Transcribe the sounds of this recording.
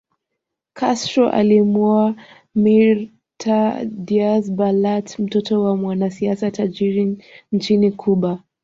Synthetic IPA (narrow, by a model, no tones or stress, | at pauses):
kʰastɾɔʔa̰limua | miɾ | tʰadiasbalatm̩tɔtɔwamwanasiasatad͡ʒiɾint͡ʃinikʰuɓa